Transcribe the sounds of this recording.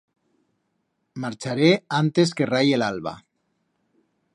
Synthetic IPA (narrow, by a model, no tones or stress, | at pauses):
maɾt͡ʃaɾeant̪eskerajelalβa̰